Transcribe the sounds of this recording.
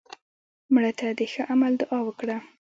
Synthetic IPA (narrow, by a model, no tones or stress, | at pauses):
mɽət̪ad̪əxəʔamald̪aʔɑwəkɽa